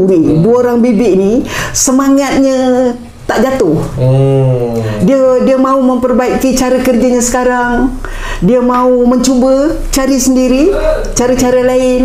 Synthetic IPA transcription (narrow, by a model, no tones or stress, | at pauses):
niduaoɾaŋbibɪʔnisəmaŋat̪̚ɲə̃ | t̪aʔd͡ʒat̪ʊh | diədiəmãumə̃mpərbaiʔkit͡ʃaɾəkərd͡ʒaɲãsə̥kaɾaŋ | diəmãuməɲt͡ʃubə | t͡ʃaɾisəndiɾi | t͡ʃaɾət͡ʃaɾalaɪn